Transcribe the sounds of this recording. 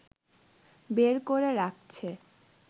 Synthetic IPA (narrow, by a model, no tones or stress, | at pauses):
beɾkoɾeɾak̚t͡ɕʰe